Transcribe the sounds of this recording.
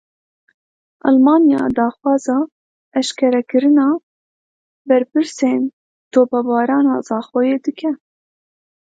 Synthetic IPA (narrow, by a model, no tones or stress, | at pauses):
ʔɑ̰lmɑːnjɑ̰ːd̪ɑːxwɑːzɑː | ɛʃkʰɛɾɛkɨɾɨnɑː | bɛɾpɨɾseːn | t̪oːpɛbɑːɾɑːnɑːzɑːxojeːd̪ɨkʰɛ